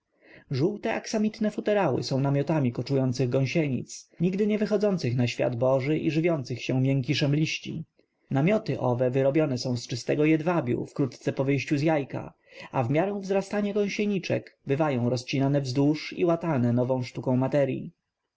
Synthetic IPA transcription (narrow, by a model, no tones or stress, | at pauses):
ʐuwt̪ɛʔaksamʲit̪nɛfut̪ɛɾawɘ̰sɔ̃w̃namʲjɔt̪amʲikɔt͡ʂujɔnt̪sɘɣɡɔ̃w̃ɕɛɲḭt̪sɲiɡd̪ɘɲɛvɘxɔd̪zɔnt̪sɘxnaɕfʲja̰d̪bɔʐɘʔḭʐɘvʲjɔnt̪sɘxɕɛ̃mʲjɛŋk̬ʲiʂɛmlʲiɕt͡ɕḭ | namʲjɔt̪ɘʔɔvɛvɘɾɔbʲjɔnɛsɔ̃w̃st͡ʂɘst̪ɛɡɔjɛd̪vabʲjṵfkɾut̪t̪sɛpɔvɘjɕt͡ɕuzjajka̰ | avmʲjaɾɛ̃w̃vzɾast̪aɲaɡɔ̃w̃ɕɛɲit͡ʂɛ̰kbɘvajɔ̃w̃ɾɔst͡ɕinanɛvzd̪uʂḭwat̪anɛnɔvɔ̃w̃ʂt̪ukɔ̃w̃mat̪ɛɾjḭ